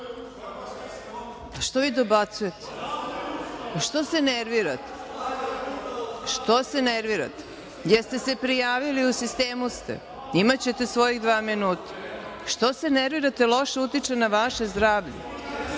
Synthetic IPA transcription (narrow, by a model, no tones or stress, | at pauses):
ʃt̪oʋid̪obat̪sujet̪ʰe̥ | ʃt̪o̞seneɾʋiɾat̪e̥ | ʃt̪oseneɾʋiɾa̰t̪e̥ | jest̪e̞se̞pɾijaːʋiliusist̪eːmust̪ḛ | imat͡ɕet̪e̞sʋo̞jiɣd̪ʋaːminuːt̪ḁʃt̪o̞seneɾʋiɾat̪elˠo̞ʃeut̪it͡ʃenaʋaʃezd̪ɾaːʋʎḛ